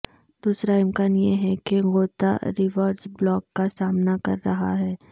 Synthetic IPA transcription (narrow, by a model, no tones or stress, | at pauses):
d̪uːsɾaɪmkaːnjeɦɛkeɣoːt̪a̰ɾɪʋəːɖzblɔːkːasaːmnakɐ̰ɾːɐɦa̰ɦɛː